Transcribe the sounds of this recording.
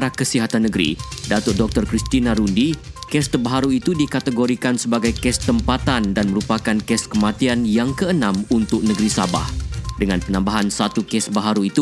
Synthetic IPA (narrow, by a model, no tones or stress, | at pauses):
ɾakəsiɦat̪anːəɡɾḭdat̪ʊr̚dɔk̚t̪ɔrkɾist̪inaɾundikɛst̪ərbaɦaɾuit̪udikat̪əɡoɾikansəbaɡajkɛst̪əmpat̪andanməɾupakankɛskəmãt̪ianjaŋkəənãmunt̪ʊk̚nəɡɾisaba̰hdəŋanpənãmbaɦansat̪ukɛsbaɦaɾuit̪u